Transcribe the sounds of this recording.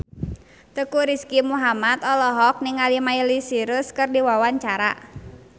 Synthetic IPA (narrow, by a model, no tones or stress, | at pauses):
t̪əkuɾiskimuɦamat̪ɔlɔɦɔk̚nɪŋalimailisiɾəskɨrdiwawaɲt͡ʃaɾa̰